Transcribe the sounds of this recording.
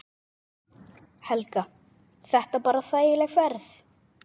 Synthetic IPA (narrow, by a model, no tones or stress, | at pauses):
hɛlka | θɛht̪apaːɾaθaːjɪlɛɣfɛɾθ